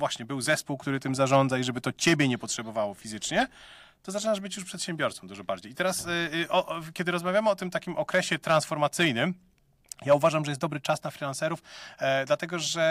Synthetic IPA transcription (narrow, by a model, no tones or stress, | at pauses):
vwaɕɲɛbɘwzɛspuwkt̪uɾɘt̪ɘmzaʐɔnd̪zaiʐɛbɘt̪ɔt͡ɕebʲjɛɲɛpɔtʂɛbɔvawɔfʲizɘt͡ʂɲɛ | t̪ɔzat͡ʂɘnaʐbɘt͡ɕjuʂpʂɛt̪ɕɛmbʲjɔɾt̪sɔ̃md̪uʐɔbaɾd͡ʑejit̪ɛɾasʔɔʔkʲɛd̪ɘɾɔzmavʲjamɘɔt̪ɘmt̪akʲimʔɔkɾɛɕɛt̪ɾansfɔɾmat̪sɘjnɘm | jauvaʐamʐɛjɛst̪d̪ɔbɾɘt͡ʂasnafʲɾʲilansɛɾufd̪lat̪ɛɡɔʐɛ